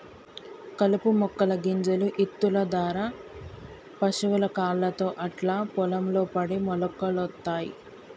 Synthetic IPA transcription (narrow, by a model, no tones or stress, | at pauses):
kɐlupumɔkːɐlɐɡiɲd͡ʒɐluʔit̪ːulɐd̪aːɾaː | pɐʃuʋulɐkaːlːɐt̪o̞ːʔɐʈlaːpɔlɐmlo̞ːpɐɽimɔlɐkːɐlɔt̪ːaːjḭ